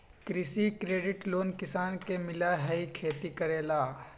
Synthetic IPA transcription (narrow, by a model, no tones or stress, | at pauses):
kɾɪsikɾeːɖɪʈloːnkɪsaːnkemɪlaɦɛikʰeːt̪ikəɾeːlaː